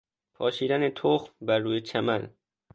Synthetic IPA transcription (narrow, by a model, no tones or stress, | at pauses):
pʰɒːʃiːd̪ænet̪ʰoxmbæɾːuːjet͡ʃʰæmæn